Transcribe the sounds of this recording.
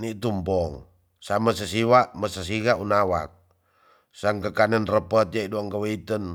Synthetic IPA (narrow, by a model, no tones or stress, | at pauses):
nit̪umpɔŋ | samasəsiwaʔməsəs̬iɣaʔunawa̰k̚ | saŋkəkanənrəpət̪̚jaiduaŋkəwəit̪ən